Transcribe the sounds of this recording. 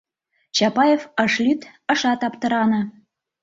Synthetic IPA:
t͡ɕɑpɑjefəʃlʲyt̪ə̆ʃɑt̪ɑpt̪ɤ̆ɾɑnɤ̆

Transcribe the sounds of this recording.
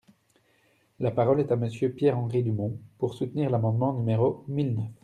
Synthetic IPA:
lapaʁɔlɛt̪aməsjøpjɛʁɑ̃ʁid̪ymɔ̃puʁsut̪niʁlamɑ̃d̪mɑ̃nymeʁomilnœf

